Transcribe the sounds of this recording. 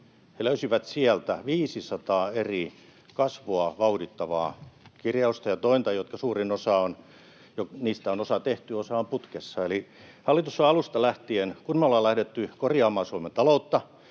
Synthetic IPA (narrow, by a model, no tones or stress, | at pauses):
heløysiʋæt̪siælt̪æʋiːsisɑt̪ɑːeri | kɑsʋoɑʋɑudit̪ːɑʋɑ̰ːkirjɑust̪ɑjɑt̪oint̪ɑjot̪̚kɑsuːrinosɑon | joniːst̪æonosɑt̪eht̪yosɑːmput̪kesːɑeli | hɑlːit̪usːɑɑlust̪ɑlæht̪ienkunːolːɑlæhdet̪ːykorjɑːmɑːsuiment̪ɑlout̪ːɑ